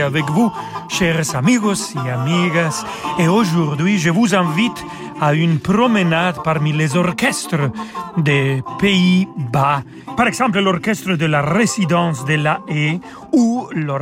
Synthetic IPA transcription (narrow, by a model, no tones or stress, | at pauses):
avɛkvuʃɛʁsamiɡoseamiɡas | eoʒuɾd̪ɥiʒəvuzɛ̃vit̪ | aynpɾomənad̪paɾmilezɔrkɛst̪ɾəd̪epeiba | paɾɛkz̥ɑ̃mpləlɔrkɛst̪ɾəd̪əlarezid̪ɑ̃sd̪elae | ulɔ